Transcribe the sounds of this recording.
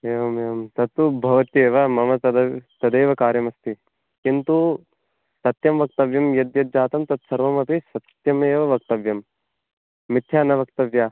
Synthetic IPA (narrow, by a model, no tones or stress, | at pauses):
eːʋɐmeʋɐmt̪ɐt̪ubʱɐʋɐt̪ieːʋɐmɐmɐt̪ɐd̪ɐt̪ɐd̪eːʋɐkaːɾjɐmɐst̪i | kint̪u | sɐt̪jɐmʋɐk̚t̪ɐʋjɐmjɐd̪jɐd̪̚d͡ʒaːt̪ɐmt̪ɐt̪sɐɾʋɐmɐpisɐt̪jɐmeːʋɐʋɐkt̪ɐʋjɐmː | ɪt̪ʰːjaːnɐʋɐk̚t̪ɐʋja